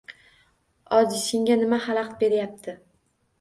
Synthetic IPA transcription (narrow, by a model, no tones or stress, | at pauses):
ɒziseŋɡʲanɪmahalˠɑqt̪̚be̞ɾjap̚t̪ʰɪ